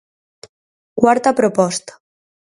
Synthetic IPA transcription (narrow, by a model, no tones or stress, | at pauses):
kwaɾt̪apɾopɔst̪ḁ